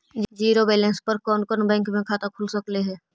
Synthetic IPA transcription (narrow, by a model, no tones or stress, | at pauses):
d͡ʒiːɾobeːlẽnspəɾkɔːnkɔnbɛ̃ːŋkmẽkʰaːt̪akʰʊlsəkleɦɛː